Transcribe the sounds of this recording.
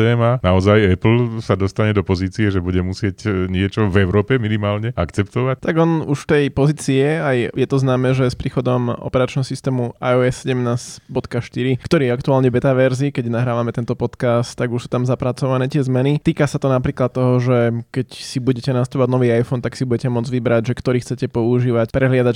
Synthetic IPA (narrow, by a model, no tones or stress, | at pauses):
ɛːmanaɔzajɛpl̩sad̪ɔst̪aɲɛd̪ɔpɔziːt͡siɛʒɛbuɟɛmusɪɛcɲɪɛt͡ʃɔvɛʊɾɔːpɛminimaːlɲɛakt͡sɛp̚t̪ɔʋact̪aɡɔnṵʃt̪ɛjpɔziːt͡siɛajjɛt̪ɔznaːmɛːʒɛspɾiːxɔd̪ɔmʔɔ̰pɛɾat͡ʃnɛɦɔsist̪ɛːmuʔa̰jɔɛsːɛɟɛmnaːzbɔt̪kaʃt̪iɾikt̪ɔɾiːjɛakt̪uaːlɲɛʋɛt̪aʋɛɾzikɛɟnaɦɾaːʋamɛt̪ɛnt̪ɔpɔt̪kast̪ːaɡuʃsuːt̪amzapɾat͡sɔʋanɛːt̪ɪɛzmɛnit̪iːkasat̪ɔnapɾiːklat̪ːɔɦɔʒɛkɛcsibuɟɛcɛnast̪upɔʋaɟ̪nɔʋiːajfɔnt̪aksibuɟɛcɛmɔd͡zʋibɾaɟʒɛkt̪ɔɾiːxt͡sɛcɛpɔuʒiːʋacpɾʔɛɦlɪad̪ac